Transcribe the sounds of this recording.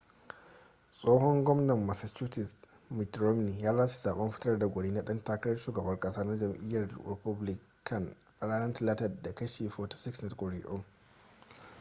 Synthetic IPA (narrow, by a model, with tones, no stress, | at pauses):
sʼoː˦ɦɔ˦ŋɡʷɔ˦mnɐ˨mːa˨sɐ˨t͡ʃuː˦tɪ˨smɪ˨tɾɔ˦mni˨jaː˦zaː˦ʃi̥˨zaː˨ɓɐ˦mɸɪ˦tɐ˦rda˨ɡʷʊ˨ɽiː˦na˦ɗɐ˦ntaː˦kɐ˦ɽɐ˦rʃuː˨ɡɐ˨bɐ˦ŋkʼɐ˦saː˦na˦d͡ʒɐ˨mʔɪ̰˦jɐ˨rɾɪ̰˨pʊ˦blɪ˦ | kʰɐ˨n | ʔa˨ɽaː˦nɐ˦ntɐ˨laː˦tɐ˨rda˨kɐ˦ʃe˨ɸɔ˦tḁ˦sɪ˦ksna˦tkʷʼɔ˨ɾe˨ʔɔ˦m